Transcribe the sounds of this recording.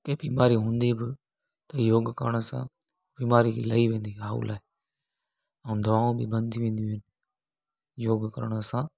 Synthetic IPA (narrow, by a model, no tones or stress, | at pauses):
keːbiːmaːɾiːɦũːnd̪iːbɪ | t̪ɐjoːɡkəɾɽ̃sã̰ː | biːmaːɾiləiːʋẽːnd̪iːɦaːṵlʔaːɪ | ə̃d̪ʱəʋaːũbibə̃nd̪ʱiʋẽːnd̪ũɦɪn | joːɡkəɾəɽ̃sãː